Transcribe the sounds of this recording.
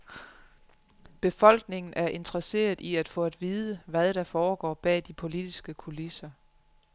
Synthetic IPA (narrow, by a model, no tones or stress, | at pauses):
b̥e̝fɒ̽l̰ɡ̥ne̝ŋn̩ʔæɐʔe̝nd̥ʁɐse̝̰ːɐðˠʔiæd̥fɔ̽ːæd̥ʋiːðˠəʋæðˠɾ̥ɑ̈fɒːɡ̥ɒ̰ːb̥ɛ̰ːd̥ipʰo̝lid̥isɡ̥əkʰulisɐ